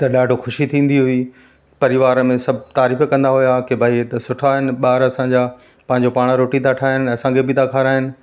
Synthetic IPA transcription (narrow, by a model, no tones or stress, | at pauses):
t̪ɐɗaːɖʱoxʊʃit̪ʰĩːn̆d̪iɦʊi | pɐɾɪʋaːɾəmẽsɐbʱɪt̪aːɾiːfkɐ̃nd̪aɦʊjakebʱaːit̪ɐsʊʈʰaɦɪnɪ̆ɓaːɾɐsãɲd͡ʑa | pɐ̃ɦɪ̃ɲ̆d͡ʑopaːɽ̃ɾoːʈit̪ʰaʈʰaːɦɪnɪ̆ɐsãkʰebɪt̪ʰakʰaːɾaːɦɪnɪ̆